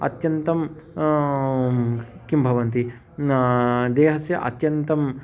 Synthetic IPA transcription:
ɐ̰t̪jɐnt̪ɐm | kimbʱɐʋɐnt̪i | d̪eːɦɐsjɐʔɐ̰t̪jɐnt̪ɐm

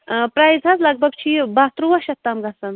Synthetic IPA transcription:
pɾajd͡zʱɐzlɐɡ̚bʱɐɡt͡ʃʰibaːt̪ɾuʋɐʃɐt̪ːamɡasɐn

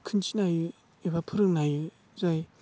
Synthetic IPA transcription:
kʰɯnt͡ʃinajɯ | ebapʰɯɾɯk̚najɯ | zaj

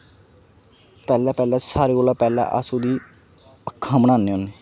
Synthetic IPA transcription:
pɛːlaːpɛːlaːsaːɾeːkoːlaːpɛːla̰ʔə̰suːd̪iː | əkʰːãːbənaːnːeːoneː

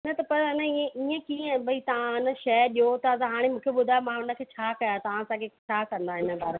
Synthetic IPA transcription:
nɐt̪ɐpɐɾɐnɐiə̃iːə̃kĩːbɐit̪ɐʋãɪnə̆ʃɐɗijot̪ɐɐzɦaːɽ̃emũːkʰeɓʊd̪ʱaːjomãɦʊnə̆kʰeːt͡ɕʰaːkɐjat̪ɐʋ̤ãɐsãkʰeːt͡ɕʰaːkɐ̃nd̪aɦɪnə̆bʱaːɾ

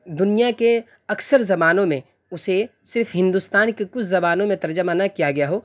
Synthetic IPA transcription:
d̪ʊnijake | ɐksəɾzɐbaːnõmẽ | ʊse | sɪɾfɦɪ̃nd̪ust̪aːnkekʊt͡ʃʰzɐbaːnõmẽt̪ɐɾd͡ʒəmanakijaɡɐjaɦoː

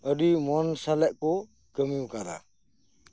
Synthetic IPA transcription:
əɾimɔnsalaʔkɔ | kəmiwkada̰

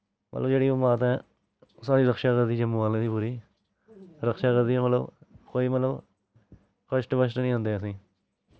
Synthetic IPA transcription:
mə̰ləbd͡ʒeːɽiːomaːt̪ɛ̃ː | saːɾiːɾəkʃaːkəɾd̪iːd͡ʒəmːuʋaːlẽːd̪iːpuːɾiː | ɾəkʃaːkəɾd̪iːɛ̃ːmət̪ləbkoːiːmət̪ləb | kəʃʈbəʃʈnĩːɦʊ̃nd̪eːəsĩː

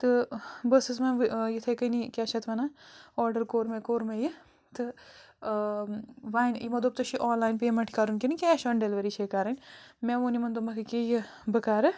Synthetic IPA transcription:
t̪ɨbəsɨs̬mɐʋjit̪ʰekənikʲaːt͡ʃʰɐt̪ʰʋɐnaɔːɾɖəɾkoːɾmekoːɾmeji | t̪ɨ | ʋaːjnimɐd̪oːp̚t̪ɐʃiʔoːnlaːjnpeːmɐɳʈʰikaːɾunkenikʲɛːʃɔːnɖelʋɐɾit͡ʃʰekaːɾɐnʲmɛ̃ʋoːnimɐnd̪omɐkʰɨkeji | bɐkaːɾɨ

